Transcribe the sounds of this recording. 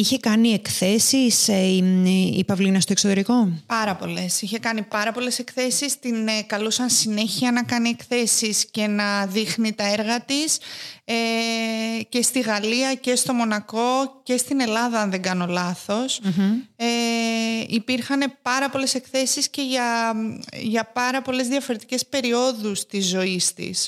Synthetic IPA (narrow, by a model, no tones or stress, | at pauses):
içe̞kɐnie̞kθe̞sis | ḭpɐvlinɐst̪o̞ksot̪e̞ɾiko̞pɐɾɐpo̞le̞siçe̞kɐnipɐɾɐpo̞le̞se̞kθe̞sist̪inekɐlusɐnsine̞çiɐnɐkɐnie̞kθe̞sisce̞nɐðixnit̪ɐe̞ɾɣɐt̪ise | ce̞st̪iɣɐliɐce̞st̪o̞mo̞nɐko̞ce̞st̪ine̞lɐðɐɐnðe̞ɡɐno̞lɐθo̞s | e | ipiɾxɐne̞pɐɾɐpo̞le̞se̞kθe̞sisce̞ʝɐ | ʝɐpɐɾɐpo̞le̞zðijɐfo̞ɾe̞t̪ice̞spe̞ɾio̞ðust̪izːo̞ist̪ḭs